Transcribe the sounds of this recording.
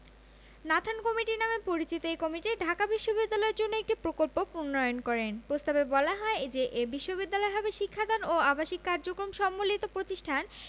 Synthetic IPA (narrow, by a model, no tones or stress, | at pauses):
nat̪ʰankɔmiʈinamepoɾit͡ɕit̪oekɔmiʈiɖʱakabiʃːobid̪ːalɔeɾd͡ʑonːoek̚ʈipɾokolpopunːɔjonkɔɾenpɾost̪abebɔlaɦɔed͡ʑeʔebiʃːobid̪ːalɔeɦɔbeʃikʰːad̪ʱanoabaʃikːaɾd͡ʑokɾomʃɔmːolit̪opɾot̪iʃʈʰan